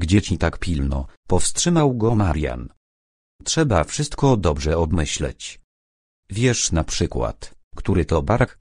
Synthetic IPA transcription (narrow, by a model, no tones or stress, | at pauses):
ɡd͡ʑɛt͡ɕit̪akpʲilnɔ̰pɔfstʂɘmawɡɔmaɾja̰n | tʂɛbafʂɘst̪kɔd̪ɔbʐɛɔbmɘɕlɛ̰t͡ɕ | vʲjɛʂnapʂɘkwa̰t̪kt̪uɾɘt̪ɔbaɾk